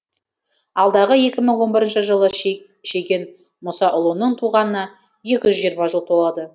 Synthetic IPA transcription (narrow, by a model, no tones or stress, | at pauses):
ɑlˠd̪ɑʁəje̞kʲɪməŋwo̞nbɪɾənʃəʒəlˠə | ʃe̞ɡʲe̞n | mʊsɑʔʊlˠunəɴt̪ʰuʁɑnənɑ | je̞kʲɪʒʏzʒijəɾmɑʒəlˠt̪ʰolˠɑd̪ə